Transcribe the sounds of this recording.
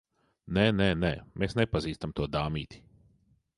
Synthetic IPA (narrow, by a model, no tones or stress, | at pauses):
nɛːnɛːnɛ̰ːmeːsnepaziːst̪amt̪uɔd̪aːmiːt̪i̥